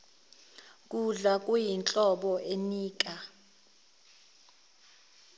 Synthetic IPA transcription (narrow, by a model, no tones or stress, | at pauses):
kʼuɮak̬ʼujint͡ɬʼɔɓɔʔeniːk̬ʼa